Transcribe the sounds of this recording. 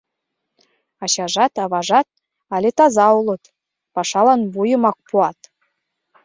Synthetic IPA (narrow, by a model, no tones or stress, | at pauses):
ɑɕɑʐɑt̪ɑβɑʐɑt̪̚ | ɑlʲet̪ɑzɑulˠɤ̆t̪ | pɑʂɑlˠɑnbujɤ̆mɑk̚puɑt̪